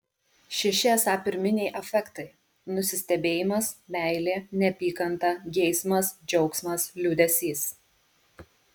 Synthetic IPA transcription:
ʃʲɛʃʲɪɛsɑːpʲɪɾʲmʲɪnʲɛɪʔɐfʲɛkt̪ɐɪ | nʊsʲɪsʲt̪ʲɛbʲeːjɪmɐsmʲæˑɪlʲeːnʲɛpʲiːkɐnt̪ɐɡʲɛɪsmɐsd͡ʒʲɛʊksmɐslʲʊd̪ʲɛsʲiːs

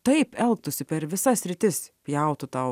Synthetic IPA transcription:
t̪ɐɪpɛlˠk̚t̪ʊsʲɪpʲɛɾʋʲɪsɐsʲɾʲɪt̪ʲɪspʲjɛˑʊt̪ʊt̪ɐʊ

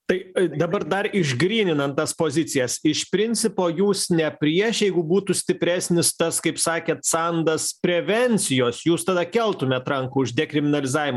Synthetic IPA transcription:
t̪ɐɪd̪ɐbɐrd̪ɐrɪʒɡɾʲiːnʲɪnɐnt̪t̪ɐspoːzʲɪt̪sʲɪjɛsɪʃpʲɾʲɪnʲt͡ssʲɪpoːjuːsnʲɛpʲɾʲiɛʃjɛɪɡʊbuːt̪ʊsʲt̪ʲɪpʲɾʲæːsʲnʲɪst̪ɐskɐɪpsɑːkʲɛːt̪sɑnd̪ɐspʲɾʲɛʋʲɛnʲt͡s̪ʲɪjoːsjuːst̪ɐd̪ɐkʲɛlˠt̪ʊmʲɛt̪ɾɐŋkuʊʒd̪ʲɛkɾʲɪmʲɪnɐlʲɪzɑːʋʲɪmɐ

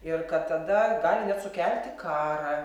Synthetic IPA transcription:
ɪrkɐt̪t̪ɐd̪ɐɡɑːlʲɪnʲɛtsʊkʲɛlʲt̪ʲɪkɑːɾɐ

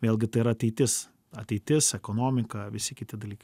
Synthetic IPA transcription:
ʋʲeːlˠʲɡʲɪt̪ɐɪiɾɐɐt̪ʲɛɪt̪ʲɪs | ɐt̪ʲɛɪt̪ʲɪsɛkoːnoːmʲɪkɐʋʲɪsʲɪkʲɪt̪ʲɪd̪ɐlʲiːkɐɪ

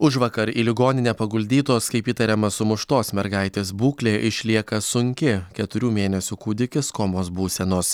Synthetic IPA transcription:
ʊʒʋɐkɐɾḭːlʲɪɡoːnʲɪnʲeːpɐɡʊlʲd̪ʲiːt̪oːskɐɪpiːt̪ɐɾʲɛmɐsʊmʊʃt̪oːsmʲɛɾɡɐɪt̪ʲeːsbuːkʲlʲeːʔɪʃʲlʲiɛkɐsʊŋʲkʲɪkʲɛt̪ʊɾʲuːmʲeːnʲɛsʲʊkuːd̪ʲɪkʲɪskoːmoːsbuːsʲɛnoːs

